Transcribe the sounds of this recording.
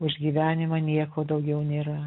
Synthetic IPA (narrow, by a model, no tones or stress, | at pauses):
ʊʒʲɡʲiːʋʲæːnʲɪmɐnʲiɛkoːd̪ɐʊɡʲɛʊnʲeːɾɐ